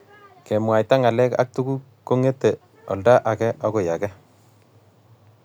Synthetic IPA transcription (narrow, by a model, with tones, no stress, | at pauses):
kɛ˨mwa˨jta˦ŋa˨lɛ˦ka̰˦k̚tu˦ku˦ | ko˦ŋe˦te˨ | ɔ˨lda˦ʔa˨kɛ˦ʔɔ˦ko˨ja˨kɛ˦